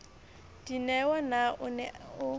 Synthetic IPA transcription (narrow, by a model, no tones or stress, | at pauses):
d̥inɛwanaʔʊnɛʊ